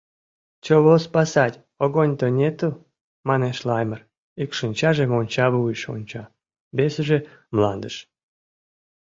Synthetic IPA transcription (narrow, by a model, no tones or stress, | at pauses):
t͡ɕoβospɑsɑtʲ | oɣonʲt̪onʲet̪u | mɑneʃlˠɑjmər | ikʃɨnʲt͡ɕɑʒemonʲt͡ɕɑβuiʃo̰nʲt͡ɕɑ | besəʒemlɑnd̪əʃ